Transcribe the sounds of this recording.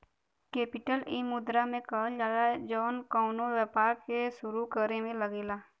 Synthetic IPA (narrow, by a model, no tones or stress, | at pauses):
keːpɪʈəlimʊd̪ɾamẽkəld͡ʒaːlad͡ʒɔːnkɔːnowjəpaːɾkeʃʊɾukəɾemẽləɡeːlaː